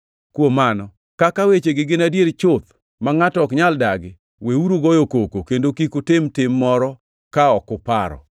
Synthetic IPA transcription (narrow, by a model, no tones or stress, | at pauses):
kwomanɔ | kakawet͡ʃeɡɪɡɪnadjeɾt͡ʃʊt̪ | maŋatɔkɲaldaɡɪ | weuɾoɡɔjokokokendokikʊtɪmtɪmːɔɾɔ | kaɔkʊpa̰ɾɔ̰